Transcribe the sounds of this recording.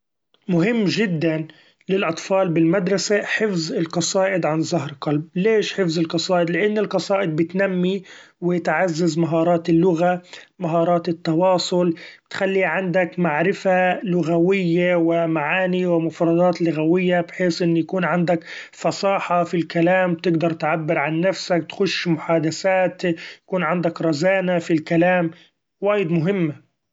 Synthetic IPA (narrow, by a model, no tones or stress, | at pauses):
mʊɦɪmːʒɪd̪ːan | lɪlʔɑt̪ˤfɑːlbɪlmad̪ɾˤɑsaħɪfzɪlqɑsˤɑːʔɪd̪ʕanzaɦɾqɑlb̚leːʃħɪfzɪlqɑsˤɑːʔɪd̪lɪʔanːɪlqɑsˤɑːʔɪd̪̚bɪt̪namːi | wɪt̪ʕazːazmaɦɑːɾˤɑːt̪ɪlːʊɣamaɦɑːɾˤɑːt̪ɪt̪ːɑwɑːsˤʊlbɪ̥t̪xalːiʕand̪akmaʕɾɪfalʊɣawɪjːawɪmaʕaːniwɪmʊfɾˤɑd̪ˤɑːt̪lʊɣawɪjːabħeːsʔɪnːjakuːnʕand̪akfɑsˤɑːħɑfilkalaːmbt̪ɪɡd̪ɑɾˤt̪ʕabːɪɾʕanːafsak̚t̪xʊʃːmʊħaːd̪asaːt̪jakuːnʕand̪akɾˤɑzaːnafilkalaːm | waːjɪd̪mʊɦɪmːa